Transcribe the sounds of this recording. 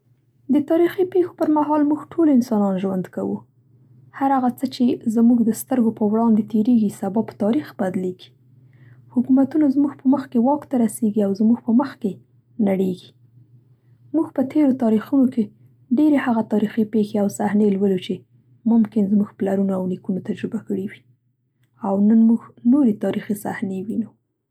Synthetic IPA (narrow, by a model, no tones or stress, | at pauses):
d̪ət̪ɑɾixipexo̥pəɾmaɦɑlmuɡʈʰolɪnsɑnɑnʒwand̪ka̰wṵ | haɾaɣat͡sət͡ʃezmuɡd̪əst̪əɾɡopəwɽɑnd̪et̪eɾeɡisabɑpə̥t̪ɑɾixbad̪leɡ̥i̥ | hʊkumat̪unazmuɡpəməxkewɑkt̪aɾaseɡiawzmuɡpəməxke | naɽeɡi | muɡpət̪ʰeɾot̪ɑɾixunoke | ɖeɾehaɣat̪ɑɾixipexeawsahnelwəlut͡ʃe | mʊmkɪnzmuɡplaɾunoawnikunot̪ad͡ʒɾɪbakəɽiwi | awnənmuɡnoɾet̪ɑɾixisa̰hnewinu